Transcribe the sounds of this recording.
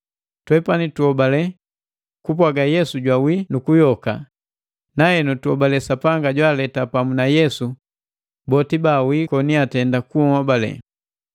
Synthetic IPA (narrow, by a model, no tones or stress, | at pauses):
twɛpanituhɔbalɛ | kup̬waɡajɛsuɟwawinukujɔka | nahɛnutuɔbalɛsapaŋɡaɟwalɛtapamunajɛsu | bɔtibawikɔniatɛndakuhɔbalɛ̰